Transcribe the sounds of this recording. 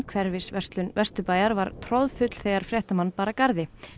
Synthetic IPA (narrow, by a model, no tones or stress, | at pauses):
kʰvɛɾvɪsvɛst̪lʏnvɛst̪ʏpaːjaɾvaɾt̪ʰɾɔðfʏt̪l̥θeːjɣaɾ̥fɾjɛht̪amanːpaːɾakaɾðɪ